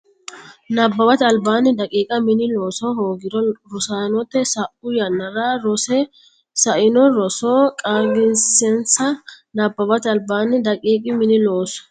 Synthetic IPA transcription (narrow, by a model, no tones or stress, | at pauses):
nɐbːɐbɐt̪ɐlbaːnɪd̪ɐkʼiːkʼɐmɪnɪloːsɔhoːɡɪd̪ɔɾʊsaːnɔt̪ːɛsɐʔʊjɐnːɐɾaːɾɔsɛ | sɐʔɪnɔɾɔsoːkʼaːɡɪnsɛnsɐ | nɐbːɐbɐt̪ɐlbaːnːɪd̪ɐkʼiːkʼɪmɪnɪloːsɔ̥